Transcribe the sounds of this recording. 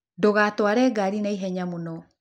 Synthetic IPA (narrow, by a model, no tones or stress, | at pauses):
doɣatoaɾɛːɡaɾinaiɦɛɲamonɔ